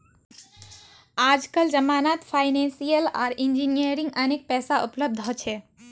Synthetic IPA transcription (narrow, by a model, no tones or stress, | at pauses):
ad͡ʒkəld͡ʒəmaːnat̪pʰajnẽnsijəla̰ːɾind͡ʒinijəɾiŋɡənek̚pɛːsaʔupləb̚d̪ʱɔt͡ʃʰɛ